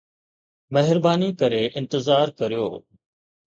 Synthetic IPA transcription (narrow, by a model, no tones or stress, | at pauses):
mɐɦɪɾbaːnikɐɾeʔɪ̃nt̪ɪzaːɾkɐɾijo̰ː